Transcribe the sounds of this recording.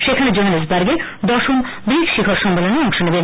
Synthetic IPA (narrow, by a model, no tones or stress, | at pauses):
ʃekʰaned͡ʑoɦanes̬baɾɡe | d̪ɔʃom | bikʃikʰoɾʃɔmːeloneɔŋʃonebe